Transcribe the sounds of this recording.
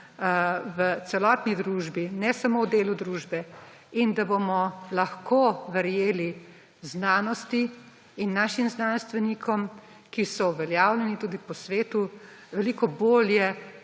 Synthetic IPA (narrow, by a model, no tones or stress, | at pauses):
ʋət̪sɛlɔt̪nid̪ɾuːʒbinɛsamowd̪eːlud̪ɾuːʒbɛ | ind̪abomɔlɐxkoʋəɾjeːli | znaːnɔst̪i | inːaːʃimznanst̪ʋɛnikʰɔm | kisɔuʋɛljaːwlʲjɛnit̪uːd̪ipɔsʋeːt̪u | ʋɛlikɔboːljɛ